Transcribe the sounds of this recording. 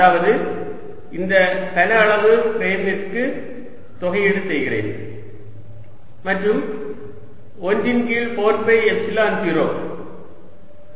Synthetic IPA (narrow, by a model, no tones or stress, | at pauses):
ɐaːʋɐðɯ | ɪnd̪ɐk̪ɐnɐːɭɐʋɯɾeːmnɪrkɯ | t̪ɔɣɐjɛɽɯt̪ːɐɪɣɪrḛːn | mɐʈrɯm | ɔndɪnkiːɭpoːnpɐɪɛssɪlaɐnt̪ɪɾo̰ːm